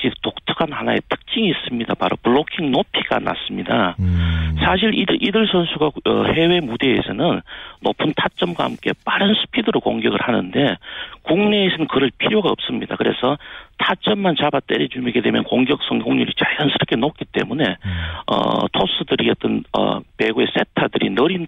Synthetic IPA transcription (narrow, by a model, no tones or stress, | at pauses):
d͡ʑitok̚tʰɯ̥kʰanhanae̞̰tʰɯ̥k̚t͡ɕ͈iŋiːs͈ɯmɲidapaɾopɯɭːokʰiŋnopʰiɡ̥a̰na̰s͈ɯmɲida | sʰaɕ̬ʰiɾidʔidɯɭsʰʌnsʰuɡaʌ̰he̞we̞mude̞ːsʰʌnɯnːo̰pʰɯntʰat͡ɕ͈ʌmɡwahamk͈e̞p͈aɾɯnsʰu̥pʰidɯɾokoŋɡjʌɡɯɭhanɯnde̞kuŋne̞ːsʰʌnɯnkɯɾʌɭpʰiɾjoɡaʌp̚s͈ɯmɲida̰kɯɾe̞̰sʰʌtʰat͡ɕ͈ʌmːant͡ɕabat͈eɾid͡ʑumiɡe̞de̞mjʌnkoŋɡjʌk̚s͈ʌŋɡoŋɲuɾit͡ɕaɭansʰɯɾʌk͈ʰenok͈it͈e̞̰mune̞ʌ̰tʰos͈ʰɯdɯɾiʌt͈ʌnʌ̰pe̞ɡue̞s͈e̞tʰadɯɾḭnʌɾin